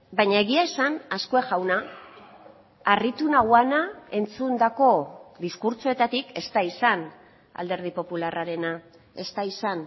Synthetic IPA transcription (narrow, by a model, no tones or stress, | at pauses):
bajɲae̞ɣiae̞sanaskoeʝawna | arit̪unaɣwanae̞nt͡sund̪ako̞ðiskuɾt͡soe̞t̪at̪ike̞st̪aisan | a̰ld̪e̞ɾð̞ipo̞pularaɾe̞na | e̞st̪aisan